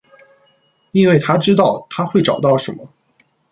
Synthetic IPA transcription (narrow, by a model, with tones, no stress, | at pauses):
i˥nwe˥˩ɪt̪ʰa˥ʈ͡ʂɻ̩˥t̪̬ɑ˥˩ʊt̪ʰa˥xwe˥˩ɪʈ͡ʂɑ̰˨˩ʊt̪ɑ˥˩ʊʂə˧˥nmə˧